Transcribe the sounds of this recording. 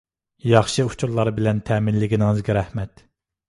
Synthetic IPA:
jɑχʃɨu̥t͡ʃʰuɾlˠɑɾbɪlɛnt̪ʰɛːmɪnlɪɡʲinɪŋɨzɡʲɛɾɛhmɛt̪

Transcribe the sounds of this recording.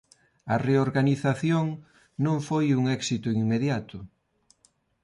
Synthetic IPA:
ɐreoɾɣaniθaθjoŋ | nõŋfojuŋɛksit̪ʊiŋmeðjat̪ʊ

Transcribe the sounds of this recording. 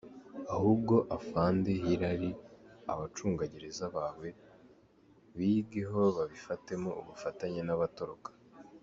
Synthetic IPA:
ahubɡo̞ʔafaːnde̞ɦiɾaɾia̰βat͡ʃuːŋɡaɟeɾezaβaːwe̞ | βiɡe̞ɦo̞βaβifate̞mouβufataɲenaβato̞ɾokḁ

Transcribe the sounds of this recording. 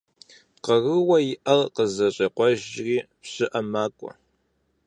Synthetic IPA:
qɐɣɨwɐjɪʔɐlqəzɐɕʼɐqʷɔʒriːpɕɨʔɐmaːkʷʼɔ̰

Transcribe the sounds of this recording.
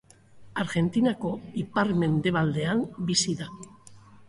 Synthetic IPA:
aɾɣe̞nt̪inako̞ipaɾme̞nd̪e̞β̞ald̪e̞ambisiða

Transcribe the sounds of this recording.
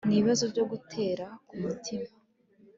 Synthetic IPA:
niiβazo̞ɾɟo̞ɡutʰe̞ːɾakumutʰima

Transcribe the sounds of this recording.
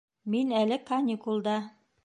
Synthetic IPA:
minælɘkɑnʲikulˠd̪ɑ

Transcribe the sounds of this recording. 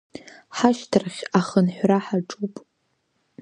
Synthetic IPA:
ħaʃtʰɨrχʲaχənħʷraħaʈ͡ʂʼupʼ

